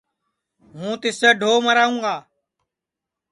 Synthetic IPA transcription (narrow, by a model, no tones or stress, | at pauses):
ɦũːt̪ɪseːɖʱoːməɾaːũːŋɡaː